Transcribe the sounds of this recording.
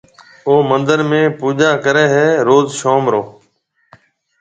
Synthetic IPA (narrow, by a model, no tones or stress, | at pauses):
oːmənd̪əɾmẽːpuːd͡ʒaːkəɾeːɦɛːɾoːzʃoːmɾoː